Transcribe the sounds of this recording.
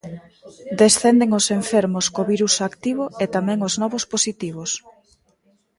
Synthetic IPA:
d̪esθend̪eŋoseɱfeɾmoskoβiɾusakt̪iβoet̪amɛ̃ŋoznɔβosposit̪iβ̞os

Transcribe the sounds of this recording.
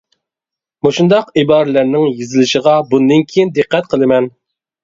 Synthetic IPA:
moʃund̪ɑqibɑːɾɪlæɾnɪŋjizɪlɪʃəʁɑbund̪ɪnkʲʰejind̪ɨqːɛt̪̚qʰəlˠɨmɛn

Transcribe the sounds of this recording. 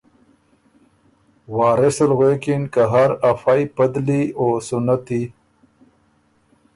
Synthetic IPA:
waːɾesalɣeːkinkaɦaɾafajpəd̪lioːsʊnat̪i

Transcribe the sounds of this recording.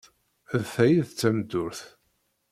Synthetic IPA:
ðθæjiðt͡sːæmd̪ʊɾθ

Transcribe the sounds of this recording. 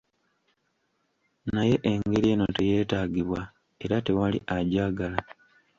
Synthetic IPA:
naje̞ʔeŋɡe̞ɾie̞no̞te̞je̞ːtaːɡiβwa | e̞ɾate̞walḭʔaɟaːɡala

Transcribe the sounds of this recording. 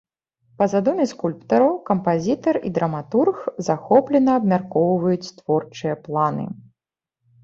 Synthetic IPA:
pɐzad̪ɔmʲɛskulʲpt̪ɐɾɐwkɐmpazʲit̪ɐrḭd̪ɾɐmat̪urxzaxɔplʲɛnɐːbmʲarkɔwvɐjut͡sʲt̪vɔrt͡ʂɨjɐplˠanɨ̰

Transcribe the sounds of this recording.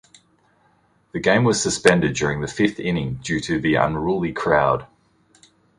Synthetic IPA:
ðɨɡẽɪ̃mwɒz̥səspɛ̃ndɨd̚d͡ʒɔɹɪ̃ŋðəfɪfθɪ̃nɪ̃ŋd͡ʒʉːɾɨðiə̰̃nɹuːlˠikʰɹ̥aʊd̥

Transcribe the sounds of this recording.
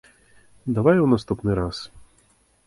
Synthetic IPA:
d̪avajɛwnast̪upnɨɾas

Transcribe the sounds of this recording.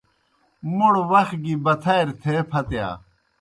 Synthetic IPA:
muɽwɐx̚ɡibɐt̪ʰɐjɾt̪ʰeːpʰɐt̪ja̰ː

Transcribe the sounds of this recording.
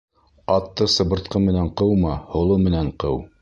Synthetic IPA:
ɑt̪ːɤsɤ̆βɤ̆ɾt̪̚qɤmɘ̆næɴqɤwmɑhŏlˠɤmɘ̆næɴqɤw

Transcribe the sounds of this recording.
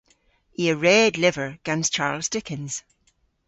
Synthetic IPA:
iəɹɛdlɪvə˞ɡ̥ãnst͡ʃʰaːɹlˠzdɪkʰɪ̃nz̥

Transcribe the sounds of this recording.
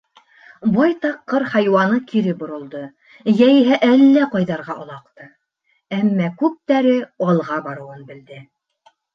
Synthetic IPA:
bɑjt̪ɑqːɤɾhɑjwɑnɤkʰiɾɘbŏɾŏlˠd̪ɤ | jæjiɦæʔælːæqɑjðɑɾʁɑʔŏlˠɑqt̪ɤ | æmːækʉp̚t̪æɾɘɑlˠʁɑbɑɾɤ̆wɤnbɘ̆ld̪ɘ

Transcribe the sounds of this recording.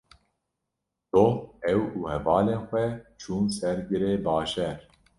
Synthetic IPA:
t̪oɛwuːhɛvɑːleːnxʷɛt͡ʃʰuːnsɛɾɡɨɾeːbɑːʒɛɾ

